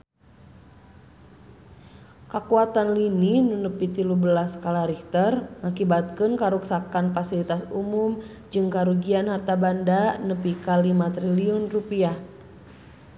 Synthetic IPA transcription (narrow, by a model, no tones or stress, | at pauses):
kakuat̪anlininunəpit̪ilubəlaskalaɾikt̪ərŋakibat̪̚kɨnkaɾuksakanfasilit̪asumum | d͡ʒɨŋkaɾuɡianhart̪abandanəpikalimat̪ɾiliɔnrupiah